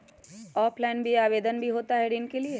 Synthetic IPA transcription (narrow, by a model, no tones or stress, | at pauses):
ɔːplaɪnbʱiaːʋeːd̪ənbʱiɦoːt̪aɦɛɖɪnkelie